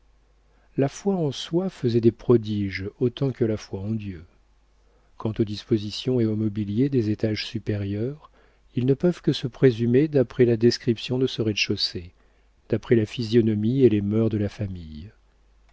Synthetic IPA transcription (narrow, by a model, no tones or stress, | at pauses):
lafwaɑ̃swafəzɛd̪epχɔd̪iʒot̪ɑ̃kəlafwaɑ̃d̪jø | kɑ̃t̪od̪ispozisjɔ̃eomɔbiljed̪ezet̪aʒsypeʁjœʁ | ilnəpœvkəsəpχezymed̪apχɛlad̪ɛskχipsjɔ̃d̪əsəʁɛd̪ʃose | d̪̥apχɛlafizjɔnɔmielemœʁd̪əlafamij